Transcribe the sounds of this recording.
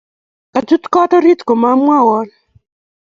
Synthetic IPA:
ka˨tu˦t̪kɔ˦t̪ɔ˦ɾi˦t̪ko˨ma˦mwa˦wɔ˦l

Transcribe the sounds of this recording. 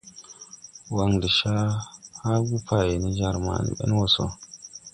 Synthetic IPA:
wa˨ŋdi˨ʃa˦ha˦ɡu˦pʰa˨je˨ni˦d͡ʒa˦ɾma̰˨nḭ˨ɓɛ̰˦n˦wɔ˨so̰˨

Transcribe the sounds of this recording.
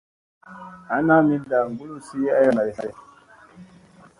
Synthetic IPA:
a˨˦na˦mi˦da˨ɾŋ˨ɡu˦lu˦si˦a˦ja˦˨na˨ɾi˨sa˨ɾi˦

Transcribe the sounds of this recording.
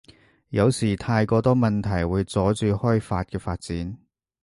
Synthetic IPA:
jɐ˨˧wsiː˨˩t̪ʰaː˧jkɔː˧t̪ɔː˥mɐ˨nt̪ʰɐ˨˩jwuː˨˧jt͡sɔː˨˥t͡syː˧hɔː˥jfaː˧t̚kɛː˧faː˧t̚t͡siː˨˥n

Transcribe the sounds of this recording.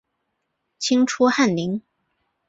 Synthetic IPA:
t͡ɕʰi˥ŋʈ͡ʂʰu˥xa˥˩nli˧˥ŋ

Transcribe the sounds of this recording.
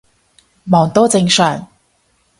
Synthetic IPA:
mɔː˨˩ŋt̪oː˥t͡sɪ˧ŋsœː˨˩ŋ

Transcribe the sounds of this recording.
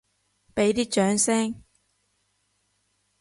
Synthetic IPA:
pe˨˥jt̪iː˥t͡ʃœː˨˥ŋsɛː˥ŋ

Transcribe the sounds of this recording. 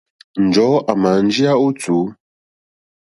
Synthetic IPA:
n̩˨d͡ʒɔ˨˦ʔa˨ma˨n̩˦d͡ʒi˦a˦u˦t͡suː˨˦

